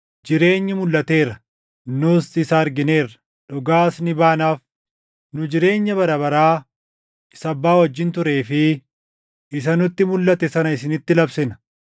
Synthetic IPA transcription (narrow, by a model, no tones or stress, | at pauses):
d͡ʒɪɾe̞ːɲːɪmʊlːɐt̪e̞ːɾɐ | nʊsɪsɐːɐɾɡɪne̞ːrɐ̥ | ᶑʊɡaːsnɪbaːnaːf | nʊd͡ʒɪɾe̞ːɲːɐbɐɾɐβɐɾaː | ɪsɐbːaːwɐd͡ʒːɪnt̪ʊɾe̞ːfɪ | ɪs̬ɐnʊt̪ːɪmʊlːɐt̪ɛsɐnɐɪsɪnɪt̪ːɪlɐbsɪnɐ̥